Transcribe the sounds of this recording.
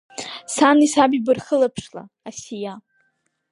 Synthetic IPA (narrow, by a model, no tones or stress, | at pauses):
sanisabibɨrχəlapʰʂla̰ | asija